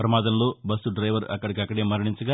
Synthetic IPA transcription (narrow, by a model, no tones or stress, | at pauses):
pɾɐmaːd̪ɐmloːbɐsuɖɾɐjʋɐɾɐ̰kːɐɽik̬ʲiɐkːɐɽeːmɐɾɐɳiɲt͡ʃɐɡa